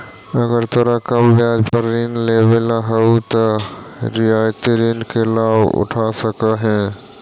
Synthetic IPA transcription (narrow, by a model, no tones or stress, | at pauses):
əɡəɾt̪əɾəkabjad͡ʒpəɾːinlebelaɦəut̪əɾiajt̪iɾinkelabṵʈʰasəkəɦɛ̃